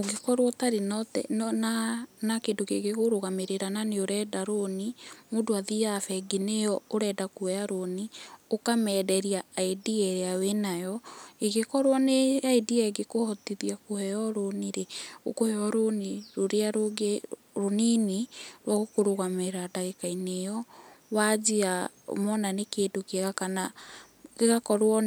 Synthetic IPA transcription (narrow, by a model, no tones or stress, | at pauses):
oɡekɔɾwɔtaɾenɔtɛ̰nnanakedokeɣeɣoɾoɣameɾeɾananeoɾɛdaɾonimodoaðiafɛɡinejɔoɾɛdakoɛaɾoniokamɛːdɛɾiaːediɛɾeawenajɔeɣekɔɾwɔneaediɛɡekohɔtiðiakohɛjɔɾoniɾeokohɛɔɾoniɾoɾeaɾoɡe | ɾoniniɾwaɣokoɾoɣameɾadaɣekainejɔwad͡ʑia | o̰mɔnanekeːdokeɣakana | keɣakɔɾwɔ